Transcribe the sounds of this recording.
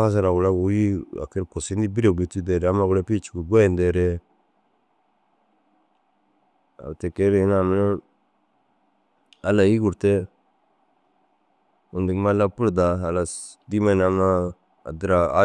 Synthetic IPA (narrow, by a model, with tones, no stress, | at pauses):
ka˦s̬a˨ɾa˨ɡu˨la˦ɡu˨˦ji˦a̰˨ke˦ɾko˨si˦ndi˦bi˦ɾe˨bi˨tu˦de˨ɾɛ˨a˦ma˨ɡu˦le˦pi˦t͡ʃi̥˨ku˨ɡe˦˨nde˨ɾe˦ | a̰˨te˨ke˦ɾe˨i˦na˨mi˦na˦ | a˦la˨ji˦ɡu˨ɾte˦ | u˨ndi˨kma˦la˦pu˦ɾda˨a˨la˨ | di˦ma˦˨na˨ma̰ː˦˨ | di˦ɾa˨a˦